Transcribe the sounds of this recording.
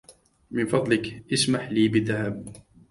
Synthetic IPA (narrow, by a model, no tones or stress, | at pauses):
mɪnfɑd̪ˤlɪkʔɪsmaħliːbɪðːahab̚